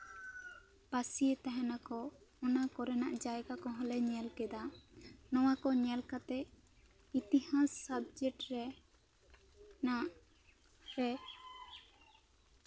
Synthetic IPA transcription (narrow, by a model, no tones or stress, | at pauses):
pasiet̪aɦɛ̃nakɔɔnakɔɾɛnaʔd͡ʒajkakɔɦɔ̃lɛɲɛlkɛd̪anɔ̃wakɔɲɛlkat̪ɛʔ | it̪ihãsab̚d͡ʒɛʈɾɛ | naʔ | ɾɛ